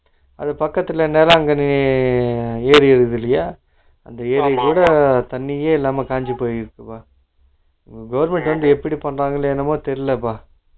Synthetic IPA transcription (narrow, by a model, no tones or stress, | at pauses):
ɐ̰ðɐpɐkːɐt̪ːɪlɐnːeːlɐɐŋɡɐnɪ | eːɾɪɪɾɯðɪlːɐjaː | ɐ̰nd̪ɐeːɾɐɪkuːɽɐt̪ɐnːɪjeːɪlːaːmɐkaːɲd͡ʒipoːjɪɾɯkːɯpaː | ɪŋɡɐɡɐʋɐɾmɛɳʈʋɐnd̪ɯɛpːɐɽipɐɳɾaːŋɡɐɭeɛnːɐmoːt̪ɛɾɪlɐpaː